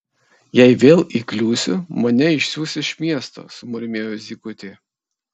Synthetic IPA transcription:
jɛɪʋʲeːlˠiːklʲuːsʲʊ̰mɐnʲɛɪʃʲsʲuːsʲɪʃʲmʲiɛst̪o̰ːsʊmʊɾʲmʲeːjʊzʲiːkʊt̪ʲeː

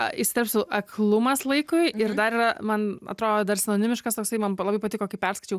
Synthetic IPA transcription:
ɪʃsʲɪt̪ɛɾpʲsʲʊʔɐkʰlˠʊmɐslˠɐɪkʊɪɪɾd̪ɐɾiːrɐmɐnɐ̰t̪ɾoːd̪od̪ɐɾsʲɛnoːnʲɪmʲɪʃkɐst̪oːksɐɪmɐnlˠɐbɐɪpɐt̪ʲɪkoːkʲɪpʲɛɾskɐɪt͡ʃʲɛʊ

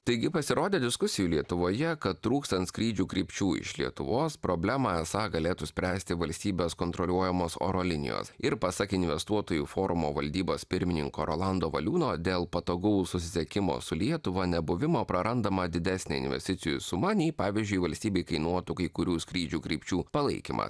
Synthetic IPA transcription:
t̪ɐɪɡʲɪpɐsʲɪɾoːd̪ʲeːd̪ʲɪskʊsʲɪjuːlʲiɛt̪ʊʋoːjɛkɐt̪t̪ːɾuːkst̪ɐnt̪skɾʲiːd͡ʒʲuːkɾʲiːpʲt͡ʃʲuːɪ̰ʃlʲiɛt̪ʊ̰ʋoːspɾoːbʲlʲæmɑɛsɑːɡɐlʲeːt̪usʲpʲɾʲæːsʲt̪ʲɪʋɐlʲsʲt̪ʲiːbʲeːskoːnt̪ɾolʲuɔjɛmoːso̰ːɾoːlʲɪnʲɪ̰jo̰ːsɪɾpɐsɐkʲɪnʲʋʲɛst̪uɔt̪oːjuːfoːɾʊmoːʋɐlʲd̪ʲiːboːspʲɪɾʲmʲɪnʲɪ̰ŋkoːɾo̰ːlˠɑnd̪oːʋɐ̰lʲuːnoːd̪ʲeːlˠpɐt̪oːɡʊʊsʊsʲɪsʲɛkʲɪmo̰sʊlʲiɛt̪ʊʋɐnʲɛbʊʋʲɪmoːpɾɐɾɐnd̪ɐmɐd̪ʲɪd̪ʲæsʲnʲḛːɪ̰nʲʋʲɛ̰sʲt̪ʲɪt̪sʲɪjṵsʊmɑːnʲiːpɑːʋʲizʲd͡ʒʲʊɪʋɐlʲsʲt̪ʲiːbʲɛɪkɐɪnuɔt̪ukɐɪkʊɾʲuːskɾʲiːd͡ʒʲuːkɾʲiːpʲt͡ʃʲuːpɐlˠɐɪkʲḭmʔɐ̰s

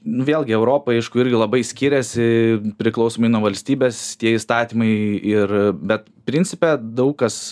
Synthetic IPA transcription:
nʊʋʲeːlˠʲɡʲɪɛʊɾoːpɐɐɪʃkʊɪɾʲɡʲɪlˠɐbɐɪsʲkʲiːɾʲɛsʲɪpʲɾʲɪklˠɐʊsoːmɐɪnuɔʋɐlʲsʲt̪ʲiːbʲeːst̪ʲiɛist̪ɑːt̪ʲiːmɐɪɪrbʲɛt̪ | pʲɾʲɪnʲt͡s̪ʲɪpʲɛd̪ɐʊkkɐs

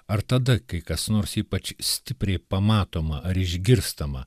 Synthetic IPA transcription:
ɐɾt̪ɐd̪ɐkɐɪkɐsnoːɾsiːpɐt͡ʃsʲt̪ʲɪpʲɾʲɛɪpɐmɑːt̪oːmɐʔɐɾɪʒʲɡʲɪɾst̪ɐmɐ̰

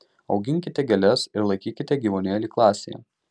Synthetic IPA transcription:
ɒʊɡʲɪŋʲkʲɪt̪ʲɛɡʲɛlʲɛsɪɾlˠɐɪkʲiːkʲɪt̪ʲɛɡʲiːʋoːnʲeːlʲiːklˠɑːsʲḛjɛ̰

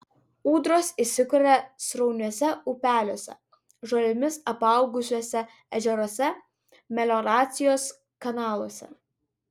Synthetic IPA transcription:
uːd̪ɾoːsisʲɪkʊɾʲɛsɾɔʊnʲuɔsʲɛʊpʲæːlʲoːsʲɛ̰ | ʒolʲɪmʲɪsɐpɑˑʊɡʊsʲuːsʲɛ | ɛʒʲɛɾoːsʲɛ | mʲɛlʲɔɾɑːt̪sʲɪjoːs | kɐnɑːlˠoɔsʲɛ̰

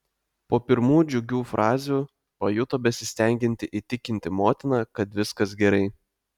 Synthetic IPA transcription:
poːpʲɪɾmuːjd͡ʒʲʊɡʲuːfɾʔɑːzʲuː | pɐjʊt̪oːbʲɛsʲɪsʲt̪ʲæŋʲɡʲɪnʲt̪ʲɪʔit̪ʲɪkʲɪnʲt̪ʲɪmoːt̪ʲɪnɑːkɐt̪ʋʲɪskɐsɡʲɛɾɐɪ

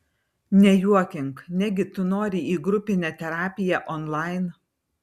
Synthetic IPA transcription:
nʲɛjuɔkʲɪŋknʲɛɡʲɪt̪ʊnoːɾʲiˑiːɡɾʊpʲɪnʲɛt̪ʲɛɾɑːpʲɪjɛʔɔnlˠɑɪn

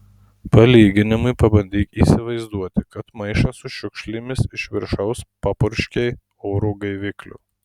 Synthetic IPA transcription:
pɐlʲiːɡʲɪnʲɪmʊɪpɐbɐnʲd̪ʲiːkiːsʲɪʋɐɪzd̪uɔt̪ʲɪkɐt̪mɐɪʃɑsʊʃʲʊkʃʲlʲɪmʲɪsɪʃʲʋʲɪɾʃɐʊspɑpʊɾʲʃʲkʲɛɪ | oːɾuːɡɐɪʋʲɪklʲʊ̰

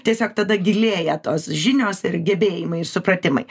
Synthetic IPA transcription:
t̪ʲiɛsʲoːk̚t̪ɐd̪ɐɡʲɪlʲeːjɛt̪oːsʒʲɪnʲoːsɪɾɡʲɛbʲeːjɪmɐɪɪɾsʊpɾɐt̪ʲɪmɐ̰ɪ

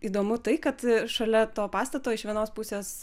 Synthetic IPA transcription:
iːd̪oːmʊt̪ɐɪkɐt̪ʃɐlʲɛt̪oːpɑːst̪ɐt̪oːɪʃʋʲiɛnoːspʊsʲeːs

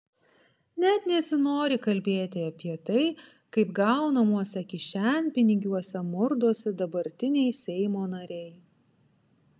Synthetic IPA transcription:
nʲɛt̪nʲɛsʲɪnoːɾʲɪkɐlʲbʲeːt̪ʲɪɐpʲiɛt̪ɐɪ | kɐɪpɡɑʊnɐmuɔsʲɛkʲɪʃʲænʲpʲɪnʲɪɡʲuɔsʲɛmʊɾd̪oːsʲɛd̪ɐbɐɾʲt̪ʲɪnʲɛɪsʲɛɪmoːnɐɾʲɛɪ

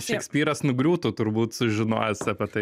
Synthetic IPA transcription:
ʃʲɛksʲpʲiːɾɐsnʊɡɾʲuːt̪uːt̪ʊɾbuːt̪sʊʒʲɪno̰ːjɛsɐpʲɛt̪ɐɪ

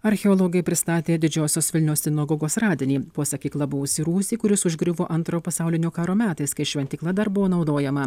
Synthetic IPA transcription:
ɐɾʲxʲɛɔːlˠɔːɡɐɪpʲɾʲɪst̪ɑːt̪ʲeːd̪ʲɪd͡ʒʲoːsʲoːsʋʲɪlʲnʲɛʊssʲɪnɐɡɔːɡoːsɾɑːd̪ʲɪnʲiːpoːsɐkʲiːklˠɐbʊʋoːsʲiːɾuːsʲiːkʊɾʲɪsʊʒʲɡɾʲɪʋoːʔɐnt̪ɾoːpɐsɑˑʊlʲɪnʲoːkɑːɾoːmʲæːt̪ɐɪskɐɪʃʲʋʲɛnt̪ʲiːklˠɐd̪ɐɾbʊʋoːnɒʊd̪oːjɛmɐ

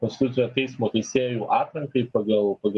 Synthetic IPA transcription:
kɔnst̪ʲɪt̪ʊt̪ʲɪnʲoːt̪ɛɪsmoːt̪ɐɪsʲeːjuːʔɑːt̪ɾʲɐŋkɐɪpɐɡɐlˠpɐɡ

